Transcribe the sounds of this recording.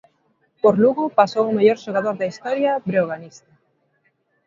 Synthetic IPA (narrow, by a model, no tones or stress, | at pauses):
poɾluɣʊpasowumeʎoɾʃoɣaðoɾðɐist̪ɔɾjɐbɾoɣanist̪a